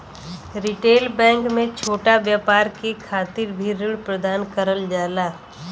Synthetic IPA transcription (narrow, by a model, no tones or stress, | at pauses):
ɾiʈeːlbɛ̃ːŋkmẽt͡ʃʰoːʈaʋjaːpaːɾkekʰaːt̪iɾbʱiɾɪɽpɾəd̪aːnkəɾəld͡ʒaːlaː